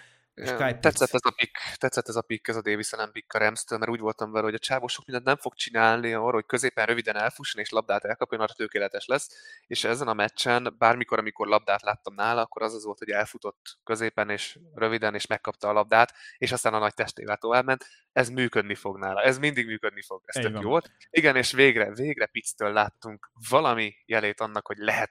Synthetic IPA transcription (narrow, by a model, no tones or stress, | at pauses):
t̪ɛt̪sːɛt̪ːɛzɒpikːt̪ɛt̪sːɛt̪ːɛzɒpikːɛzɒd̪eːvisɛlɛmpikːɒɾɛmst̪øːlmɛɾuːɟvo̞lt̪ɒɱvɛlɛɦoɟɒt͡ʃaːvoːʃokmind̪ɛnnɛɱfo̞k̚t͡ʃinaːlniɒːrɒɦockø̞zeːpɛnrøvid̪ɛnɛlfuʃːoneːʃlɒb̚d̪aːt̪ɛlkɒpjonɒrːɒt̪økeːlɛt̪ɛʃlɛsːeːʃɛzɛnɒmɛt͡ʃːɛnbaːrmiko̞ɾɒmiko̞rlɒb̚d̪aːt̪laːt̪ːɒmnaːlɒːkːo̞ɾɒzɒzʋo̞lt̪ho̞ɟɛlfut̪o̞t̪ːkø̞zeːpɛneːʃrø̞vid̪ɛneːʃmɛkːɒp̚t̪ɒːlɒb̚d̪aːt̪eːʃɒst̪aːnɒnɒc̚t̪ɛʃt̪ḛːvɛlt̪o̞vaːbmɛnt̪ | ɛzmyːkød̪nifo̞ɡnaːlɒɛzmind̪iɡmyːkød̪nifo̞ɡɛst̪økjoːvolt̪ | iɡɛneːʃveːɡrɛveːɡrɛpit̪st̪øːlːaːt̪ːuŋkvɒlɒmijɛleːt̪ɒnːɒkho̞ɟlɛɦɛt̪̚